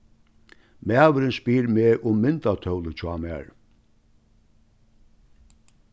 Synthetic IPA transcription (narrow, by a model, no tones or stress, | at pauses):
mæːʋəɾənspiːɾmeːɾʔʊmːɪnt̪at̪ʰœwlət͡ɕʰwa̰mæ̰ːɹ